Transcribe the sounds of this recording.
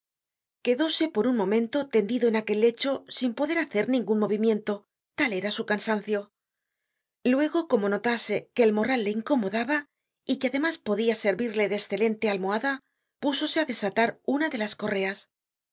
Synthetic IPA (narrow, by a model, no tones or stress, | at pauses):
ke̞ðo̞se̞po̞ɾunmõ̞mẽ̞nt̪o̞t̪e̞nd̪iðo̞e̞nake̞lːe̞t͡ʃo̞simpo̞ðe̞ɾaθe̞ɾnĩŋɡunmo̞β̞imje̞nt̪o̞ | t̪ale̞ɾasukansan̟θjo̞ | lwe̞ɣ̞o̞ko̞mo̞no̞t̪ase̞ke̞ːlmo̞ralːeiŋko̞mo̞ðaβa | ikeaðe̞maspo̞ðiase̞ɾβiɾle̞ðeːsθe̞le̞nt̪e̞almoaða | puso̞se̞aðe̞sat̪aɾunaðe̞lasko̞re̞as